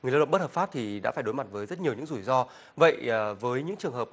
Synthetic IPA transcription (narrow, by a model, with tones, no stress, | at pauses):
ŋɨ˨˩jlaː˧ə̰˧˨ŋ͡mɓ̚həː˨˩faː˦˥p̚t̪ʰi˨˩ɗa̰ː˧˥faː˧˩jɗo˨˦jma˨˩t̚vəː˨˦jzə˦˥t̚ɲ˨˩əwɲɨ̰˧˥ŋzu˧˩jzɔ˧ | və̰˧˨jvəː˨˦jɲɨ̰˧˥ŋt͡ɕɨ˨˩əŋɦəː˨˩p̚